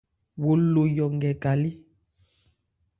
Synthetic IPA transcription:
wo˨lo˨jɔ˨ŋɡɛ˨ka˨li˦

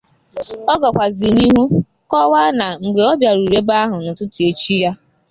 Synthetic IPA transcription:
ɔ˦ɡɔ˨kʷa˨zɪ˨ni˦ɦu˦ | kɔ˦wa˦na˨ŋ͡m̩˨ɡ͡be˨ɔ˦bja˨ɾu˨ɾe˦ba˦ɦʊ˨nʊ˨tʊ˦tʊ˨e˨t͡ʃi˦ja˦

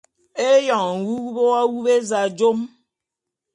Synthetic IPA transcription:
e˦jɔ˨ŋ̩˨wu˦u˦bo˦a˦wu˦be˦za˨d͡ʒo˦m

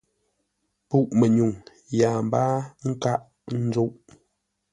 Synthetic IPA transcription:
pu˦ʔmɛ˨ɲu˨ŋ | jaː˨m˨baː˦ŋ̩˦ka˦ʔ | n̩˦d͡ʒo˦ʔ

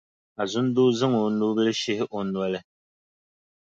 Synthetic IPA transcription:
a˨zʊ˦n˦do˦zɨ˦ŋo˨noː˦bɨ˦lɨ˦ʃɪ˦hɪ˦ʔo˨nwɔ˦lɨ˦

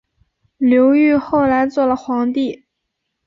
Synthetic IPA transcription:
ljo˧˥ʊy˥˧xo˥˩ʊla˧˥ɪt͡swɔ˥˩lə˩xwɑ˧˥ŋt̪i˥˩

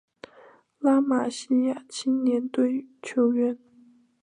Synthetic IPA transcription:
la˥ma˨˩ɕi˥ja˥˩t͡ɕʰi˥njɛ˧˥nt̪we˥˩ɪt͡ɕʰjo˧˥ʊɥɛ˥n

